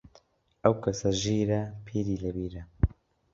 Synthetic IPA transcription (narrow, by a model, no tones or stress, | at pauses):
ʔɐwkʰɐsɐʒiːɾɐpʰiːɾiːlɐbiːɾɐ